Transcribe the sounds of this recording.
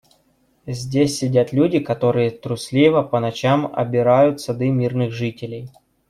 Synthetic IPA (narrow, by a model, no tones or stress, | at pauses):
zʲdʲesʲːɪdʲat̪lʲudʲɪkɐt̪o̞ɾɨjət̪ɾʊsʲlʲivəpənɐt͡ɕamɐ̰bʲɪɾajʊt̪sɐd̪ɨmʲirnɨɣʐɨtʲɪlʲɪj